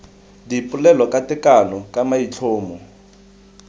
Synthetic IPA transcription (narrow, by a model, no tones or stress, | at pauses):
dipʼulɛlɔkʼatɪkalɔkʼamait͡ɬʰoːmɔ